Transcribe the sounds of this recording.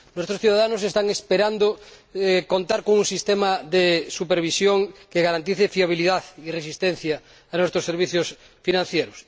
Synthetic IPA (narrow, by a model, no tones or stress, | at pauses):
nwest̪ɾosθjuðaðanosest̪aŋespeɾand̪oekont̪aɾkoŋuŋsist̪emaðesupeɾβ̞isjoŋkeɣaɾant̪iθefiaβ̞iliðaðiresist̪ẽn̟θjaː | nwest̪ɾoseɾβ̞iθjos | finãn̟θjeɾos